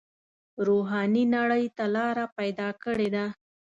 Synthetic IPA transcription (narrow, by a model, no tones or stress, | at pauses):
ɾoɦɑninaɽəjt̪alɑɾapajd̪ɑkəɽed̪a